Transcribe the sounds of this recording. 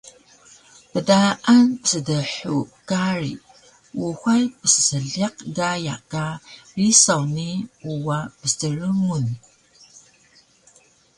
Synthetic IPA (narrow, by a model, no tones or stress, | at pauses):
pədaʔanpə̥sədəħukaɾḭ | wuxajpəsə̥səɮiqɡajakarisawniuwapəstəɾəmun